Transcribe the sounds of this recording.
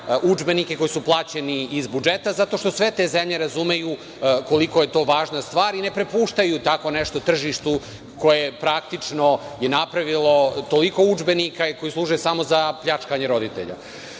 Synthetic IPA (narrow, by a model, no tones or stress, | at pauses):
ud͡ʒbe̞nike̞ko̞jisuplˠaːt͡ɕe̞niːzbud͡ʒet̪azat̪o̞ʃt̪o̞sʋet̪e̞zemʎe̞ɾazume̞ju | ko̞liko̞je̞t̪o̞ːʋaːʒnast̪ʋaːɾine̞pɾe̞puːʃt̪ajut̪ako̞neʃt̪ot̪r̩ʒiʃt̪u | ko̞jepɾak̚t̪it͡ʂno̞jenapɾaʋilo̞t̪o̞liko̞ud͡ʒbe̞nikaiko̞jislˠuːʒujesamo̞zapʎat͡ʂkaɲeɾo̞d̪it̪e̞̰ʎa̰